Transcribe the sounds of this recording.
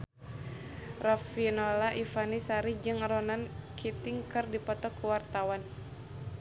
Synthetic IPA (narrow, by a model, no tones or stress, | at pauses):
rafinolaʔifanisaɾid͡ʒɨŋɾɔnankʰit̪ɪŋkɨrdipɔt̪ɔkuwart̪awan